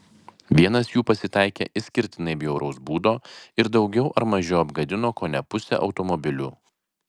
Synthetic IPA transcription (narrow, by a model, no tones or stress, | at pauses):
ʋʲiɛnɐsjuːpɐsʲɪt̪ɐˑɪkʲḛːʔɪsʲkʲɪɾʲt̪ʲɪnɐɪbʲjɛʊɾʔɐʊsbuːd̪oːɪɾd̪ɒʊɡʲɛʊʔɐɾmɐʒʲɛʊɐbɡɐd̪ʲɪnoːkoːnʲɛpʊsʲɛ̰ʔɒʊt̪ɔmɔbʲɪlʲṵː